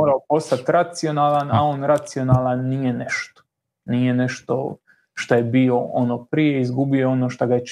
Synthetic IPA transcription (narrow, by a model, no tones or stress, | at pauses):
oːɾaopo̞st̪at̪ɾat̪sio̞naːlˠana̰oːnɾat̪sio̞naːlˠanːije̞neʃt̪o̥ | nije̞ne̞ʃt̪o̰ | ʃt̪oje̞bio̞o̰no̞ːpɾijeizɡubio̞ono̞ːʃt̪aɡaje